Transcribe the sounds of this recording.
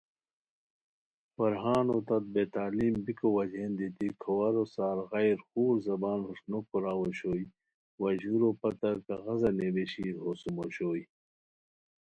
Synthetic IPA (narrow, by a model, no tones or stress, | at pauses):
fɐɾɦaːnot̪ɐt̪̚beːt̪aːliːmbikowɐd͡ʑeːnd̪et̪ikʰɐwɐɾosaːɾɣɐjɾxuːɾzɐbaːnhuʂnokuɾaːwoɕoːj | wɐʑuɾopɐt̪ɐɾkɐɣɐzɐnebeɕiːɾɦosumoɕoːj